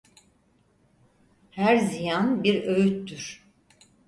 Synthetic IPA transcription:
hæɾzijanbiɾø̞jyt̪ːyɾ̥

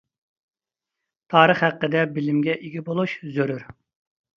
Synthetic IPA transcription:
t̪ʰɑːɾəχhæqːəd̪ɛbɪlɪmɡʲɛʔiɡʲibolˠuʃzøɾyɾ

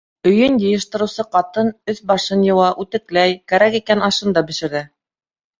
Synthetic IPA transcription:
ɵ̆jɵnjɤ̆jɤ̆ʃt̪ɤ̆ɾɤ̆wsɤqɑt̪ɤnɵθbɑʃɤnjɤ̆wɑʔʉt̪ɘ̆klæjkæɾækikænɑʃɤnd̪ɑbɘ̆ʃɘ̆ɾðɘ

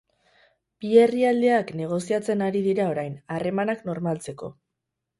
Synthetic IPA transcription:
pie̞riald̪e̞akne̞ɣ̞o̞siat͡se̞naɾiðiɾao̞ɾajnare̞manakno̞ɾmalt͡se̞ko̞̰

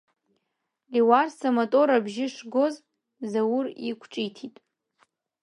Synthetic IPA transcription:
liwarsamatʼo̞ɾabʒɪʂɡo̞z | zawʊrikʷʰʈ͡ʂʼijtʰitʼ

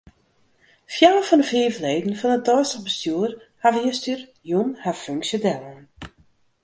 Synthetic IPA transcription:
fjawəfɔndəfiəvleːdn̩fɔnət̚dɔːsəbəstjuərhaʋəjəstyr | junhaføŋksjodɛlˠən

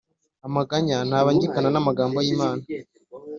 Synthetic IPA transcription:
amaɡaɲanaβaɲɟikananamaɡaːmbojiːmaːna

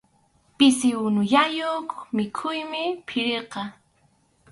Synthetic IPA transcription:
pɪsɪwʊnʊjajokmɪkʰʊjmɪpʰɪɾeqɑ

